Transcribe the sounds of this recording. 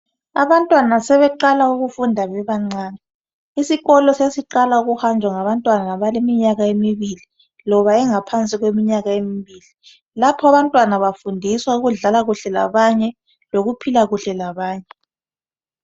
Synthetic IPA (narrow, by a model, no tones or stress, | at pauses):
aβantʼwanasɛβɛǃalauɣufundʱaβɛβaŋ͡ǀaːnɛ | isiɣɔlɔsesiǃalauɣuxand͡ʒʱwaŋaβantʼwananaβalemiɲaɣaemiβili | lɔβaɛŋapʰant͡sʼiɣwemiɲaɣaemiβiːli | lapʰɔaβantʼwanaβafundʱiswauɣuɮalaɣuɬɛla̰βaɲɛ | loɣupʰilaɣuɬɛlaβaːɲɛ